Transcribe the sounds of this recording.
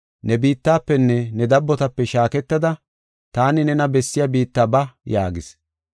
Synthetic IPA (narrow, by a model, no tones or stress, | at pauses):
nɛbiːt̪ːaːpːɛnːɛnɛd̪ɐbːɔt̪ɐpːɛʃaːkɛt̪ːɐd̪ɐ | t̪aːnɪnɛnɐbɛsːɪjabiːt̪ːaːbɐja̰ːɡɪs